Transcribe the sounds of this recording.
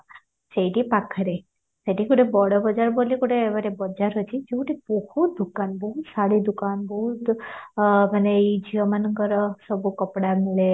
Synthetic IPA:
t͡ʃejʈipakʰːəɾe | səʈikuʈebɔɽəbəd͡ʒaɾbolikuʈeːʋaɾebəd͡ʒaɾɦət͡ʃʰid͡ʒeuʈibəhud̪ukanbəɦutsaɽid̪ukanbəɦut̪ | məneid͡ʒiəmanəŋɡəɾɔsəbukəpɽameɭe

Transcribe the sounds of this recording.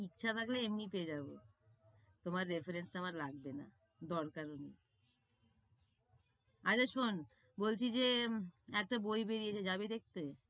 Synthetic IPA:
ikːt͡ɕʰat̪ʰakleemnipeed͡ʑabo | t̪omaɾːefeɾensʈaamaɾlaɡ̚bena̰ | d̪ɔɾkaɾoni | at͡ɕaʃon | bolt͡ɕʰid͡ʑeɛk̚ʈabojbeɾiet͡ɕʰed͡ʑabed̪ek̚t̪e

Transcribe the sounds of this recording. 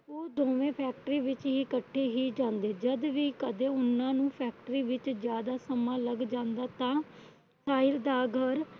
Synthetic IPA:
oːd̪oːʋẽːpʰɛːkʈəɾiːʋɪt͡ʃɦiːkəʈʰːeːɦiːd͡ʒãːnd̪eːd͡ʒəd̪ʋiːkəd̪ẽːʊnːãːnũːpʰɛːk̚ʈɾiːʋɪt͡ʃd͡ʒjaːd̪aːsəmãːləɡd͡ʒãːnd̪aːt̪ãː | saːɪɾd̪aːɡʱəɾ

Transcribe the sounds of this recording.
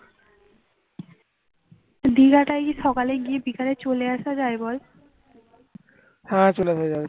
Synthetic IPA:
d̪iɡaʈajkiʃɔkaleɡiebikaɾet͡ɕoleaʃad͡ʑaebɔl | hãt͡ɕoleaʃaabe

